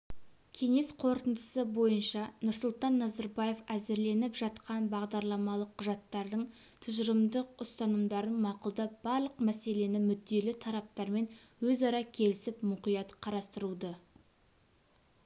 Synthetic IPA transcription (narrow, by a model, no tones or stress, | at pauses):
kʲʰe̞ŋe̞sqʰo̞ɾt̪ənd̪əsəbo̞jənʃɑnʊɾsʊlˠt̪ɑnːɑzɑɾbɑje̞fæzɪɾle̞nɪpʒɑt̪qɑnbɑʁd̪ɑɾlˠɑmɑlˠəqʰːʊʒɑt̪ːɑɾd̪əɴ | t̪ʰʊʒəɾəmd̪əqʊst̪ɑnəmd̪ɑɾənmɑqʊlˠd̪ɑb̥ɑɾlˠəqmæse̞le̞nɪmʏd̪ːe̞lɪt̪ʰɑɾɑp̚t̪ɑɾme̞nwɵzɑɾɑkʲʰe̞lɪsɪpmʊqijɑt̪qʰɑɾɑst̪əɾud̪ə